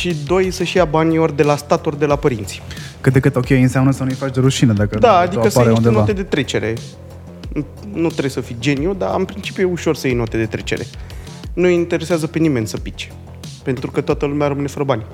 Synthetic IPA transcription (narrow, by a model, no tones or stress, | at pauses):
ʃid̪o̞jsəʃijabanʲiord̪e̞last̪at̪ord̪e̞lapəɾint̪si̥kɨt̪̚d̪e̞kɨt̪o̞kʲejɨnsamnəsənujfat͡ʃʲd̪eɾuʃinəd̪akəd̪aːd̪ikəsaɾeuʃnt̪enoat̪e̞d̪e̞t̪ɾe̞t͡ʃe̞ɾe̞̰ | nut̪ɾesəfid͡ʒe̞niud̪aɨnpɾint͡ʃi̥pjujeuʃo̞rsəjejnot̪e̞d̪e̞t̪ɾe̞̰t͡ʃe̞̰ɾe̞̰ | nujint̪e̞ɾeseazəpe̞nime̞nʲsəpit͡ʃe̥ | pe̞nt̪ɾukət̪oat̪əlumeaɾəmɨne̞fəɾəbanʲ